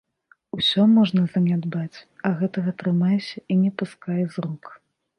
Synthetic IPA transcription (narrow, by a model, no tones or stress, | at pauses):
usʲɔmɔʐnɐzɐnʲad̪bat͡sʲɐɣɛt̪ɐɣɐt̪ɾɨmajɛsʲɐinʲɛpuskajɛzruk